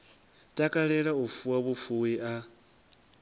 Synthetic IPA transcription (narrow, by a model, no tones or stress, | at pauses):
tʼakʼaɺɛɺaufuwaβufuwiʔa